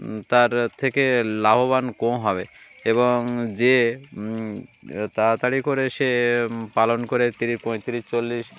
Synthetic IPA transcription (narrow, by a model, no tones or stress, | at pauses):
t̪aɾt̪ʰekelabobankõɦɔbeeboŋd͡ʑe | t̪at̪aɽikoɾeʃepalonkoɾet̪iɾipɔ̃jt̪iɾiʃt͡ɕolːiʃ